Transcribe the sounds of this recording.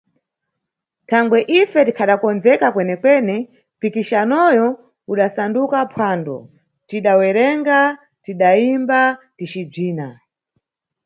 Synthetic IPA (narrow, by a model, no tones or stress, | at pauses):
tʰaŋɡwɛʔifɛtikʰaɗakɔnzɛkakwɛnɛkwɛnɛ | pikiʃanɔjɔ | uɗasandukapʰwaːndɔ̰ | tiɗawɛɾɛŋɡa | tiɗaimbatit͡ʃib͡ʐiːna